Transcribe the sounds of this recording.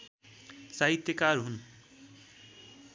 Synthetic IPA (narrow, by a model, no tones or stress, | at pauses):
saɦit̪jekaɾɦun